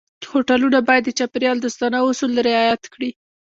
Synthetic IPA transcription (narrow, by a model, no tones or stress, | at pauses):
hoʈalunabɑjad̪ːət͡ʃapɾjɑld̪əst̪ɑnaʊsulɾɪɑjat̪kɽi